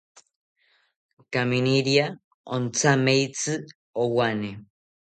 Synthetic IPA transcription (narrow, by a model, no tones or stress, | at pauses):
kaminiɾia | ont͡samejt͡sɨ | owane